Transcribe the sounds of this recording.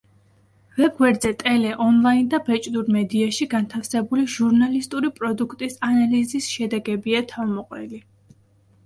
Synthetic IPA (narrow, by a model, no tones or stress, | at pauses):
vɛb̚ɡwɛɾd̪zɛt̪ʼɛlɛʔɔnlˠaind̪abɛt͡ʃʼd̪uɾmɛd̪iaʃiɡant̪ʰafsɛbuliʒuɾnalist̪ʼuɾipʼɾɔd̪ukʰt̪ʼisanalizisʃɛd̪ɛɡɛbiat̪ʰavmɔqʼwɛli